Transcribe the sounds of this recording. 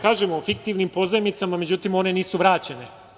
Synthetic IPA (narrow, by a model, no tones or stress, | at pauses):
kaːʒemoofik̚t̪iʋnimpo̞zamnit̪samame̞d͡ʑut̪imo̞ne̞niːsuʋɾaːt͡ɕene